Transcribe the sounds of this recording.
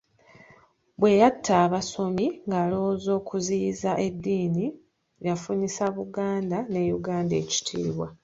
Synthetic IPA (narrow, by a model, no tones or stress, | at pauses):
bwe̞jatʰːaːβaso̞miŋɡaːlowzo̞ːkʰuziːzaʔe̞dːiːni | jafuɲisaβuɡaːndane̞ːjuɡaːnde̞̰ːci̥tʰḭːβwa